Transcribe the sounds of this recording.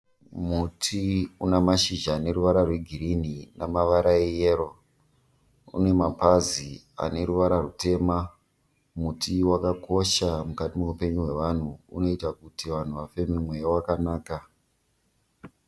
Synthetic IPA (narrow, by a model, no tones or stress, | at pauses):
mutʰiunamaʃiʒaːne̞ɾuʋaɾarwe̞ɡʱiɾininamaʋaɾaejeɾo | ṵne̞mapazi | a̰ne̞ɾuʋaɾarute̞ːma | mutiwakako̞ʃamukatimeupe̞ɲuɦwe̞ʋan̤uṵno̞itakutiʋan̤uʋafe̞mimwejawakanaːka